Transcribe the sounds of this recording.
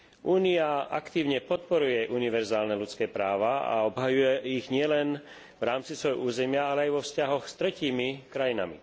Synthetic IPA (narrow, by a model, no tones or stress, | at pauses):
ʔuːniaʔakt̪iːʊɲɛpɔt̪̚pɔɾujɛʔuniʋɛɾzaːlnɛlut͡skɛːpɾaːʋaa̰ɔbɦajujɛiɣɲɪɛlɛn | vɾaːmt͡sisʋɔjɦɔ̰ʔuːzɛmɪaalɛajʋɔfscaɦɔxst̪ɾɛciːmikɾajina̰mḭ